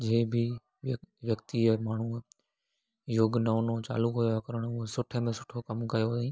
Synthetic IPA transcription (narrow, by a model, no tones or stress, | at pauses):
d͡ʑeːbʱɪ | ʋjɐkt̪imaːɳ̤u | joːɡnɐʊnõt͡ɕa̰ːlukɦʊjokɐɾəɽ̃ʊɦesʊʈʰəmẽsʊ̥ʈʰokɐmkɐjoĩː